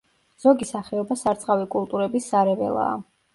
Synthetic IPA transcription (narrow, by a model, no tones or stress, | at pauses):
z̥ɔɡisaχɛɔbasaɾt̪sʼqʼavikʼulˠt̪ʼuɾɛbisːaɾɛvɛ̰lˠa̰ː